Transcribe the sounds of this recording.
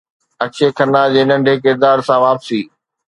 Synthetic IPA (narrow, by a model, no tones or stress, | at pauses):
ɐkʃʰekʰɐnaːd͡ʑeːnɐ̃ɳɖʱek̬ɪɾd̪aːɾsãʋaːpsiː